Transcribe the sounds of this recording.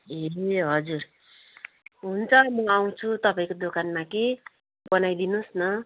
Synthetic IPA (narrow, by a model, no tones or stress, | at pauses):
eɦʌd͡zur | ɦunt͡sʰʌmʌaw̃t͡sʰut̪ʌpaĩkod̪okanmake | bʌnajd̪inusnʌ